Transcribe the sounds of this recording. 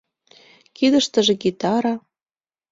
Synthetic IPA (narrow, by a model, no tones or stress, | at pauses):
kid̪ə̆ʃt̪ə̆ʒĕɡit̪ɑɾɑ